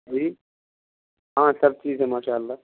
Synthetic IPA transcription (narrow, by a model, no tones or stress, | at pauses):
d͡ʒiː | ɦãːsɐb̚t͡ʃiːzɦɛ̃maːʃaːəlːaː